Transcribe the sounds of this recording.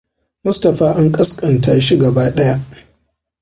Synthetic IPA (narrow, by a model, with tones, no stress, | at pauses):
mʊ˦stɐ˨ɸaː˦ʔa˦ŋkʼɐ˦skʼɐ˨ntʰaː˦ʃi˦ɡɐ˨baː˦ɗɐ˦ja˦ʔ